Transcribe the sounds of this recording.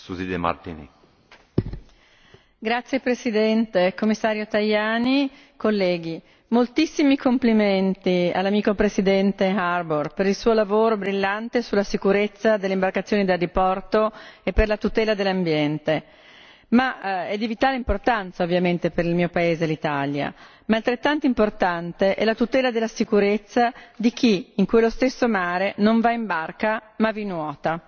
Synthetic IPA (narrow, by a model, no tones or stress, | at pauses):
suzid̪ema̰ɾt̪ḭnḭ | ɡɾat̪sːjepɾesid̪ɛnt̪ekomːisːaːɾjot̪ajaːni | kolːɛːɡi | molt̪isːimikompliment̪ia̰lːamiːkopɾesid̪ɛnt̪earborpeɾilsuːolavoːɾobɾilːant̪esulːasikuɾet̪sːad̪eleimbarkat̪sːjoːnid̪elːipɔrt̪oepːerlat̪ut̪ɛːlad̪elːambjɛnt̪e | maɛd̪ivit̪aːleimport̪ant̪saovːjament̪epeɾilmiːopaeːzelit̪alja̰ | maːlt̪ɾet̪ːant̪oimport̪ant̪eʔɛ̰lːat̪ut̪ɛːlad̪elːasikuɾet̪sːad̪ik̟iːŋkwelːost̪esːomaːɾenoɱvaimbarkamavinwɔːt̪a